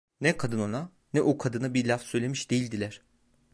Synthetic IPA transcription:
nɛkʰad̪ɯnona | nɛʔokʰad̪ɯnabilʲafsø̞jlʲe̞miʃd̪e̞jilʲd̪ilʲæɾ̥

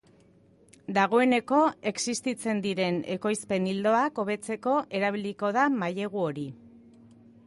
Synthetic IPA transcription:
d̪aɣ̞o̞e̞ne̞ko̞e̞ksist̪it͡se̞nd̪iɾe̞ne̞ko̞jspe̞nild̪o̞ako̞βe̞t͡se̞ko̞ʔe̞ɾaβ̞iliko̞ð̞amaje̞ɣ̞uo̞ɾi

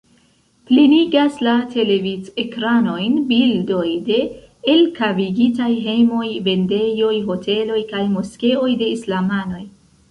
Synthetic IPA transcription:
pliniɡaslatʰe̞le̞vit͡sekɾano̞jnbildo̞jde̞ː | lkaviɡitajɦe̞jmo̞jve̞nde̞jo̞jɦo̞tʰe̞lo̞jkajmoske̞o̞jde̞islamano̞j

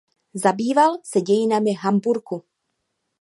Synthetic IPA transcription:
zabiːvalsɛɟɛjɪnamɪɦambuɾku

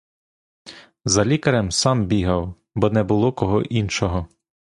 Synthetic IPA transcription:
zɐlʲikɐɾɛmsɑmbʲiɦɐw | bɔnɛbʊlˠɔkɔɦɔʔinʃɔɦɔ

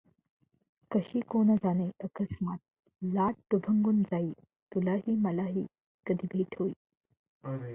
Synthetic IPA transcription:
kəɕiːkond͡zaneʔəkəsmat̪̚ | laʈ̚ɖubʱəŋɡund͡zaiː | t̪ulaɦiːməlaɦḭː | kəd̪ʱibʱiːʈʰoiː

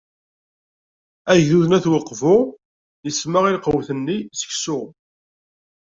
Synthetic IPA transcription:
æʝðuðnæθwɑqːvʊ | jəsməʁilqəwθənːisə̥çsʊʁ

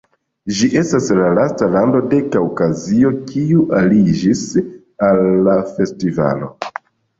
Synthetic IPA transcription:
d͡ʒiʔe̞staslalastalando̞de̞kawkazio̞kʰiuʔalid͡ʒis | alːafe̞stiva̰lo̞̰

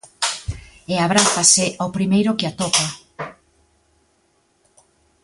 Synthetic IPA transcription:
eaβ̞ɾaθasɪʔawpɾimejɾʊkɪat̪ɔpa

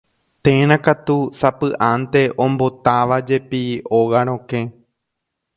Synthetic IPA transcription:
t̪ẽɾ̃ãkat̪usapɨʔãnt̪e̞ʔõ̞mbo̞t̪aʋad͡ʒe̞pioɣaɾ̃õkẽ

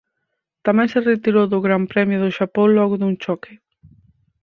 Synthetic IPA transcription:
t̪amɛ̃ŋseret̪iɾowðʊɣɾampɾɛmjʊðʊʃapõŋlɔɣʊðuŋt͡ʃɔkɪ

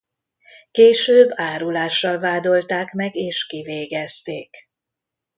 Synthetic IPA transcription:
keːʃøːbːaːɾulaːʃːɒlvaːd̪o̞lt̪aːkmɛɡeːʃkiveːɡɛst̪eːk

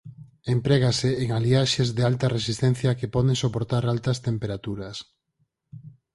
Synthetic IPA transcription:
empɾɛɣaseːŋaliaʃezðealt̪ɐresist̪ɛn̟θjɐkepɔðeŋsopoɾt̪aɾalt̪ɐst̪empeɾat̪uɾɐs

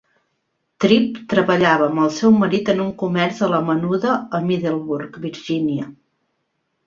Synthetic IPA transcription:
t̪ɾip̚t̪ɾəβəʎaβəːməlˠsɛwməɾit̪ənuŋkumɛɾzələmənuðəəmiðelˠβuɾkbiɾʒiniə

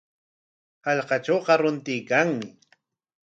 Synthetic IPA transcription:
hɑʎqɑʈ͡ʂowqɑɾʊnt̪ɪjkaŋmɪ

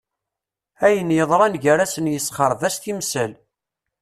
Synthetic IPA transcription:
æjənjəðˤɾˤɑnʝəɾæsənjəsχəɾˤðæst̪imsæl

